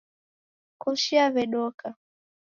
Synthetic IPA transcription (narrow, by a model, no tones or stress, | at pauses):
kuʃiavɛɗɔka